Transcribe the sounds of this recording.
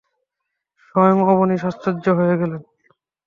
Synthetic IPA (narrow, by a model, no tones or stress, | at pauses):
ʃɔjoŋɔboniʃast̪ɾod͡ʑːoɦojeɡɛlen